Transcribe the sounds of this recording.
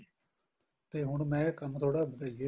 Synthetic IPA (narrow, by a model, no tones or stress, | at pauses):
t̪eːɦʊɳmɛ̃ːkəmt̪ʰoːɽaːbəd̪aːie